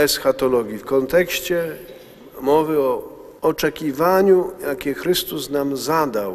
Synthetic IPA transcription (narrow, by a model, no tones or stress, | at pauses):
ɛsxat̪ɔlɔɡʲifkɔnt̪ɛkɕt͡ɕɛ | mɔvɘɔ | ɔt͡ʂɛkʲivaɲujakʲɛxɾɘst̪usnamzad̪aw